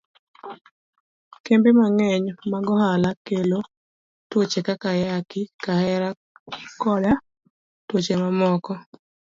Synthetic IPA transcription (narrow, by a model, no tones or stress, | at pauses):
kembemaŋɛɲmaɡɔɦalakelo | twot͡ʃekakajakɪkkahɛɾa | kɔda | twot͡ʃemamɔkɔ